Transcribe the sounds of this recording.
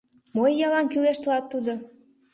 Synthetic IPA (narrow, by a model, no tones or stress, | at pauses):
mojːɑlɑnkyleʃt̪əlɑt̪ːud̪o